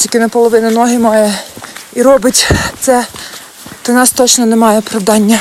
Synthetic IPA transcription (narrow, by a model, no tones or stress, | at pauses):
tʲikʲɪnɐpɔlˠɔʋɪnɐnɔɦɪmɑjɛiɾɔbɪtʲt̪sɛ | t̪ɔnɑst̪ɔt͡ʃnɔnemɑjɛɔpɾɐwd̪ɑnʲːɐ